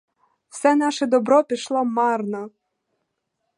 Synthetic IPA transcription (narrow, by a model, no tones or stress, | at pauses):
w̥sɛnɑʃɛd̪ɔbɾɔpʲiʃlˠɔmɑrnɔ